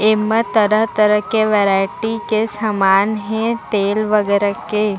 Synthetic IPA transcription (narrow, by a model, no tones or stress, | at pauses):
ɪmːət̪əɾəɦt̪əɾəɦkeʋeːɾaːɪʈikesaːmaːnɦɛ̃t̪eːlʋɐɡɛːɾəke